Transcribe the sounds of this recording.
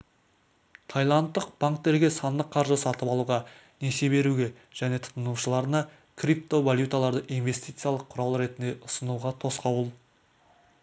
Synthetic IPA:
t̪ʰɑjlˠɑnt̪ːəq̚b̥aŋk̚t̪e̞ɾɡʲe̞sɑnd̪əqʰːɑɾʒəsɑt̪əpɑlˠuʁɑ | nese̞be̞ɾuɡʲe̞ | ʒ̥æne̞t̪ʰʊ̥t̪ənuʃəlˠɑɾənɑ | kʰrip̚t̪o̞valʲjut̪alˠɑɾd̪əʔinve̞st̪ijt̪sɨjalˠəqʰʊɾɑlˠɾe̞t̪ɪnd̪e̞ʔʊsənuʁɑt̪ʰo̞sqɑwəlˠ

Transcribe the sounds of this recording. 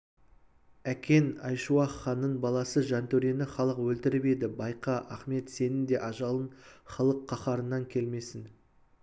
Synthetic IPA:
ækʲe̞nɑjʃuɑχːɑnːənbɑlˠɑsəʒɑnt̪ʰɵɾe̞nɪχɑlˠəqwɵlt̪ɪɾɪpe̞d̪ɪbɑjqɑʔɑχme̞t̪se̞nɪnd̪e̞ʔɑʒɑlˠənχɑlˠəqʰːɑχɑɾənːɑŋkʲʰe̞lme̞sɪn

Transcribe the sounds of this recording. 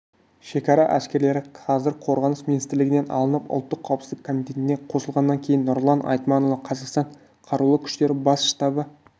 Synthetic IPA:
ʃe̞kɑɾɑʔæskʲe̞ɾle̞ɾɪqʰɑzɪɾqʰo̞ɾʁɑnəsminist̪ɾlɪɡʲɪne̞nɑ̰lˠənəpʊ̰lˠt̪ːəqʰːɑwpsɪzɪkʰːomit̪e̞t̪ɪne̞qʰo̞səlˠʁɑnːɑŋkʲʰe̞jɪnːoɾlˠɑnʔɑ̰jt̪mɑnolɑqʰɑzɑqst̪ɑɴ | qʰɑɾulˠəkʲʰʏ̥ʃt̪e̞ɾɪbɑsʃt̪ɑbə

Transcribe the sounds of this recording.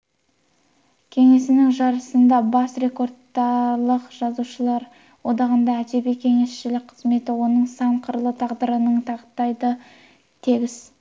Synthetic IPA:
kʲʰe̞ŋe̞sɪnɪŋʒɑɾəsənd̪ɑbɑsre̞ko̞rd̪ɑlˠəqʒ̥ɑzuʃəlˠɑɾ | wo̞d̪ɑʁənd̪ɑæd͡ʒebikʲʰe̞ŋe̞sʃɪlɪk̚ʲqʰəzme̞t̪ɪwo̞nəɴsɑɴqʰəɾlˠət̪ʰɑʁd̪əɾənəɴt̪ʰɑʁət̪ːɑjd̪ə | t̪ʰeɡʲɪz̥

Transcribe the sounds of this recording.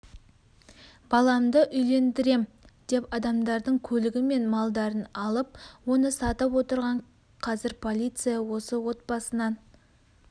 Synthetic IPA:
b̥ɑlˠɑmd̪əʔʏjle̞nd̪ɪɾe̞m | d̪̥e̞pɑd̪ɑmd̪ɑɾd̪əɴkʲʰɵlɪɡʲɪme̞nmɑlˠd̪ɑɾənɑlˠəp̚wo̞nəsɑt̪əpwo̞t̪əɾʁɑɴ | qʰɑzɪɾpʰo̞lʲˠijt̪sɨjɑwo̞səwo̞t̪̚bɑsənɑn

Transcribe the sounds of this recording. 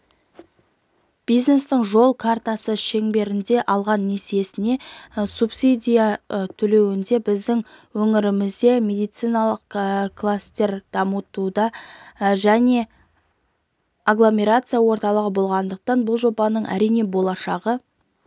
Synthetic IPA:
b̥ijzne̞st̪ɪɴʒo̞lˠkʰart̪asəʃe̞ŋbe̞ɾɪnd̪e̞ʔɑlˠʁɑnːe̞se̞sɪne̞supsid̪ʲijat̪ʰɵle̞wɪnd̪e̞bɪzd̪ɪŋ | wɵŋɪɾɪmɪzd̪e̞mʲe̞d̪ijt̪sɨjnɑlˠəqklˠast̪e̞ɾd̪̥ɑmət̪ud̪ɑ | ʒæne̞ | aɡlˠo̞mʲe̞ɾat̪sɨjawo̞ɾt̪ɑlˠəʁəbo̞lˠʁɑnd̪əq̚t̪ɑnbʊlˠʒo̞bɑnəɴʔæ̰ɾijne̞bo̞lˠɑʃɑʁə

